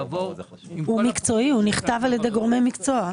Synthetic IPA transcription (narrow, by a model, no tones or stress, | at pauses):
humikt͡so̞ihuniχt̪avaljed̪e̞jɡo̞ʁme̞jmikt͡so̞a